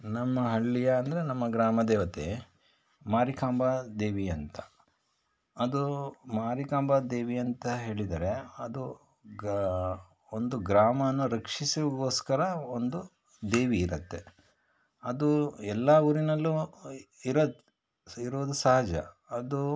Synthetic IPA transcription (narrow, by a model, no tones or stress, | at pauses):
nɐmːɐɦɐɭːijɐːnd̪ɐɾenɐmːɐɡɾaːmɐd̪eːʋɐt̪ḛ | maːɾikaːmbad̪eːʋiɐnt̪ɐ̥ | ɐd̪umaːɾikaːmbad̪eːʋiɐnt̪ɐɦe̞ːɭid̪ɐɾe̞ɐd̪u | ond̪uɡɾaːmɐnːuɾɐkʂisuʋiɡoːskɐɾɐond̪u | d̪eːʋiːɾɐt̪ːe̞ | ɐd̪uɛlːɐuːɾinɐlːu | iɾɐd̪ | iɾoːd̪usɐɦɐd͡ʒɐ | ɐd̪u